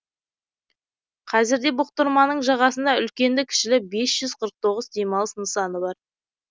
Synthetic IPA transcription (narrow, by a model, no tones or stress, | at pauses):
qʰɑzɪɾd̪e̞bʊq̚t̪əɾmɑnəɴʒɑʁɑsənd̪ɑʏlkʲe̞nd̪ɪkʲʰɪ̥ʃɪlɪbe̞sʒ̥ʏzqʰəɾəq̚t̪ʰo̞ʁəzd̪e̞mɑlˠsnəsɑnəbɑɾ